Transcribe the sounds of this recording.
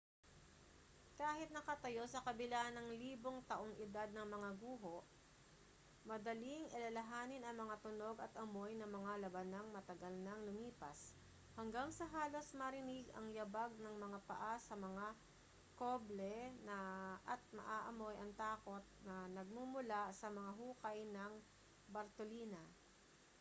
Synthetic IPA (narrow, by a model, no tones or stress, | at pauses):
kaːhɪt̪̚nɐkɐt̪ɐjo̞sɐkɐbɪlanɐŋliːbo̞ŋt̪ɐʔoŋʔɪd̪ad̪̚nɐŋmɐŋaɡuːɦo̞ʔ | mɐd̪ɐliŋʔɐlɐlɐɦaːnɪnɐŋmɐŋat̪ʊno̞ɡɐt̪ʔɐmo̞jnɐmɐŋalɐbɐnɐŋmɐt̪ɐɡalnɐŋlʊmiːpɐ̰s | hɐŋɡaŋsɐɦaːlo̞smɐɾɪnɪɡɐ̰ŋjɐbaɡ̚nɐŋmɐŋapɐ̰ʔasɐmɐŋa | koblɛnɐʔɐt̪̚mɐ̰ʔaːʔɐmojɐŋt̪aːko̞t̪̚nɐnɐɡ̚mumʊlasɐmɐŋaɦuːkɐjnɐŋ | bɐɾt̪oliːnɐ